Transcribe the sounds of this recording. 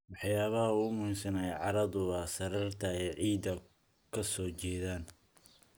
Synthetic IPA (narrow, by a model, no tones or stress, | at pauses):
wɑħjaːβɐhɐuːmʊhiːmsɐnɛɛjʕɑɾɐðʊβɐsɐrɐrt̪ʰɐɛjʕiːd̪ɐ | kʰɐsɔːt͡ʃɛːðaːn